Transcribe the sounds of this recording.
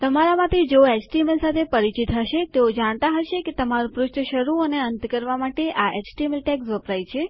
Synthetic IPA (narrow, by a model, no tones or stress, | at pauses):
t̪əmaɾamãt̪ʰid͡ʒoet͡ʃʈimelsat̪ʰepəɾit͡ʃit̪ɦəʃet̪eod͡ʒaɽ̃t̪aɦəʃeket̪əmaɾũpɾʊʃʈ̪ʰəʃəɾuəneənt̪kəɾʋamaʈeʔaet͡ʃʈimelʈɛksʋəpɾajt͡ʃʰe